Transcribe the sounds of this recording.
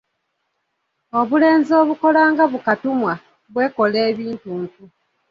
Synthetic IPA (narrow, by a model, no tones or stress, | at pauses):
o̞βule̞ːnzo̞ːβuko̞laːŋɡaβukatumwa | βwe̞ːko̞leːβiːntuːntu